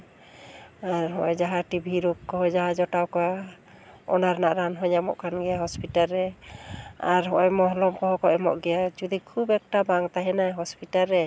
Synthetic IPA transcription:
aɾɦɔjd͡ʒaɦaʈibʱiɾuk̚kɔɦɔd͡ʒaɦad͡ʒɔʈawkɔwa | ɔ̰naɾnaʔɾanɦɔɲamɔ̰ʔkʰanɡɛjaɦɔspiʈalːɛ | aɾɦɔʔɔjmɔɦlɔmkɔɦɔkɔʔɛmɔ̰ʔɡɛjad͡ʒud̪ikʰubɛk̚ʈabaŋt̪aɦɛnajɦɔspiʈalːɛ

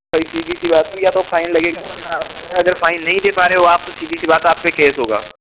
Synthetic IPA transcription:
ɐisiːbʱisibaːt̪ɦĩjat̪ofʰaːɪnlɐɡekaɐnaɐɡəɾfʰaːɪnːɐɦĩd̪eːpaːɾeeoaːp̚kosiːb̪isibaːt̪aːp̚kekeːsɦoːɡa̰ː

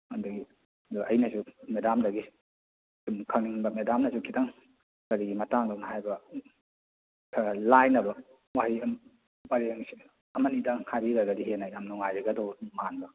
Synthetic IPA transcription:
anduɡi | duʔɐjnasumedamdɐɡi | sumkʰaŋniŋbɐmedamnɐsukʰitaŋ | kaɾiɡimɐtaŋdɔnaɦajbɐ | kʰalajnɐbɐ | wahim | baɾeŋsi | ɐmanidahʰajbiɾaɡadiɦenajjamnɔŋajaɡadɔmanbɐ

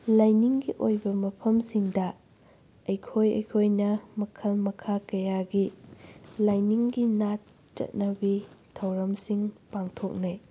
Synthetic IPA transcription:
lajniŋɡiʔojbɐmɐpʰɐmsiŋdɐ | ɐjkʰojɐ̰jkʰojnɐmɐkʰɐlmɐkʰakɐjaɡi | lajniŋɡinat | t͡ʃɐ̰t̚nɐbitʰɐwɾɐmsiŋpaŋtʰok̚naj

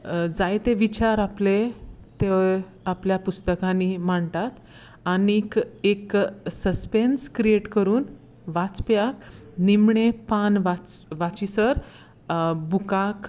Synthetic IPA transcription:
d͡zajt̪eʋit͡ɕaɾaplet̪e | apljapust̪əkãnimaɳt̪at̪ | anikeksəspenskɾieʈkəɾuːn | ʋat͡spjaknimɳepanʋat͡sʋat͡ɕisəɾ | bukak

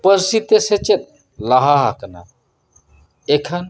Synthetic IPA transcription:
pəɾsit̪eset͡ʃet̪̚ | laɦaɦakna̰ | ekʰan

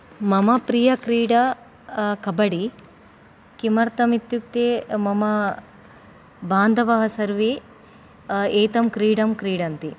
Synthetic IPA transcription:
mɐmɐpɾijɐkɾiːɽɐ | kɐbɐɽi | kimɐɾt̪ɐmit̪juk̚t̪eːmɐmɐ | baːnd̪ʱɐʋɐɦɐsɐɾʋe | eːt̪ɐmkɾiːɽɐmkɾiːɽɐnt̪i

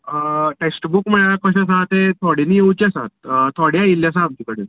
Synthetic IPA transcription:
əʈeksʈbukmɛɭaɭakʰəɕãs̬ãt̪et̪ʰɔɽiniːjeut͡ɕiasa̰t̪̚t̪ʰɔɽjailjas̬ãamd͡ʑikəɽḛ

